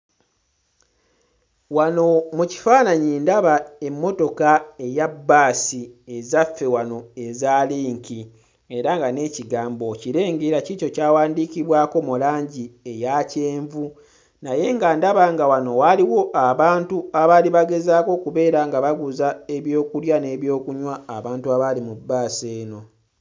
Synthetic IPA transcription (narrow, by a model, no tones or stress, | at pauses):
wano̞muci̥faːnaɲiːndaβae̞mːo̞to̞kae̞jabːaːsiezafːe̞wano̞e̞zaːliːŋki | e̞ɾaŋɡane̞ːciɡaːmbo̞ciɾe̞ːŋɡeɾacico̞caːwaːndiːkiβwaːko̞mulaːɲɟiejace̞ːɱvu | naje̞ŋɡandaβaŋɡawano̞waliwo̞ʔaβaːntuaβaːliβaɡe̞zaːko̞ːkuβe̞ːɾaŋɡaβaɡuzae̞βjo̞ːkuljane̞ːβjo̞ːkuɲwaːβaːntuaβalimubːaːseːno̞